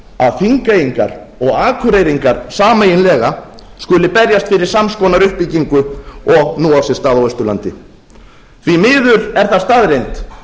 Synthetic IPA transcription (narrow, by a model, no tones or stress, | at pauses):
a̰ðfiŋkajiŋka̰ɾ | ɔɣaːkʰʏɾejɾiŋkaɾ̥saːmejɪnlɛːɣa | skʏlɪpɛɾjast̪fɪɾɪ̥samskɔːnaɾʏhpiciŋkʏɔɣnuːawsɪ̥st̪aːðawœst̪ʏlant̪ɪ | θvimɪːðʏɾɛɾ̥θaðst̪aðɾejnt̪